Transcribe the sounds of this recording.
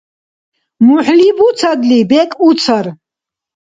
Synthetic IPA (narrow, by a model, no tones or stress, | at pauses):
muħlibut͡sʰad̪libɛkʼut͡sʰəɾ